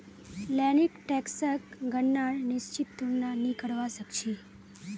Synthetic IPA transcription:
lɛnikʈeksəkɡənːaɭnɪst͡ʃit̪ːuɳnanikəɽʋasəkt͡ʃʰi

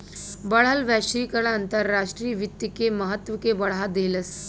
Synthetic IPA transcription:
bəɭ̤alʋæʂiːkəɽãːnt̪əɾːaʂʈɾiːʋit̪ːikeməɦət̪ʋəkebəɭ̤ad̪eləs

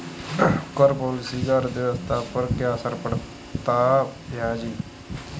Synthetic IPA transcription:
kəɾpɔːlɪsiːɡəɾd̪ɪʋəst̪ʰaːpəɾkjaːsəɾpəɽ | t̪aːjaːd͡ʒiː

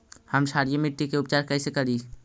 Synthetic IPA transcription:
həmʃaːɾijəmɪʈːikeʊp̚t͡ʃaːɾkɛːsekɐɾi

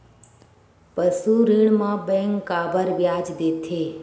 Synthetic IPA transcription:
pəsuɾiɳmãbɛ̃ŋkːabəɾʋjad͡ʒd̪et̪ʰe

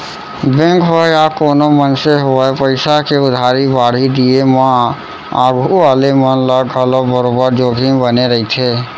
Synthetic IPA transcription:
bɛ̃ŋkʰʋəjakoːnomənseɦopəɪsakeʊd̪ʱaːɾibaːɽ̤id̪iemã | aːɡʱuʋaːlemənləɡəlobəɾobəɾd͡ʒoːɡʱibəneɾəɦit̪ʰeː

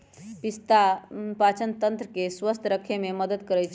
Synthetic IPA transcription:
pist̪apat͡ʃənt̪ənt̪ɾəkeswəst̪ʰɾəkʰːememəd̪əd̪kəɾɛjt͡ʃʰ

